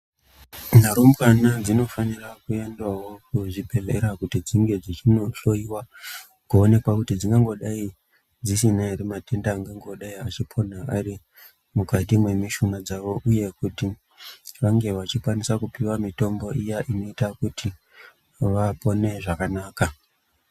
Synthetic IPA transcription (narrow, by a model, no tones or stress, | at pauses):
naɾomkanad͡zino̞fanirakue̞ndwawo̞kuʐibʱeɮe̞ɾakutid͡ziŋɡe̞d͡zit͡ʃinoɬo̞iwa | kuone̞kwakutid͡ziŋɡaŋɡo̞ɗai | d͡zisinaɾemate̞ndaːŋɡaŋɡo̞ɗaiat͡ʃipʰo̞naari | mukatimwe̞miʃunad͡zaʋo̞ʔuje̞kuti | ʋaŋɡe̞ʋat͡ʃikwanisakupiwamito̞mbo̞ʔijaʔino̞itakutʰi | ʋapo̞ne̞ʐakanaːka